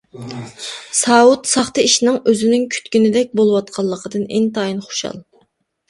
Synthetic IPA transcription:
sɑːut̪sɑχt̪ɨiʃnɨŋøzɪnyŋkʲʰy̥t̪kʲynɪd̪ɛk̚ʲbolˠɨwɑt̪̚qʰɑlˠːəqʰəd̪ɨnḛnt̪ʰɑːjinχo̥ʃɑ̰lˠ

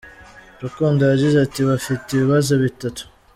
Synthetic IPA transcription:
ɾakondajaɟizatiβafiteiβiβazo̞βitatu̥

